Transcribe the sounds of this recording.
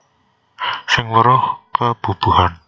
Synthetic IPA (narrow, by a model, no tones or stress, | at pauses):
sɪŋləɾɔhkəb̥ṳb̥uhan